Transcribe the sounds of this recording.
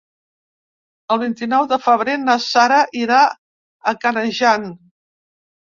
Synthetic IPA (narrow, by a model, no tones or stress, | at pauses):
əlˠβint̪inɔwðəfəβɾenəsaɾəʔiɾa | əkənəʒan